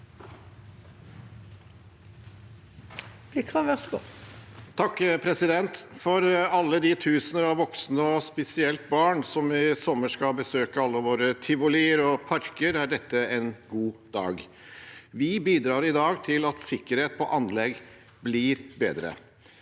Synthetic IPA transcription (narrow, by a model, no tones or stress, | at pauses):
b̥lɪkʰʁɑːʋɛʁsɡo̰ | t̪ʰɑkːpʰɾɛsɪd̪ɛnt̪fɔɾɑlːəd̪ɪt̪ʰʉːsənəɾɑʋʋɔksnəɔspɛsɪɛlt̪̚bɑːɳsɔmɪsɔmːəʂkɑbəsøːkəɑlːəʋoːɾət̪ʰɪʋʊliːəɾɔpʰɑɾkəɾæɖɛt̪ːəɛnɡuːd̪ɑ̰ːɡ | ʋɪbiːd̪ɾɑːɾɪd̪ɑːɡt̪ʰɪlɑt̪sɪkːəɾheːt̪̚pʰɔʔɑnlɛɡ | blɪɾbḛːd̪ɾə̰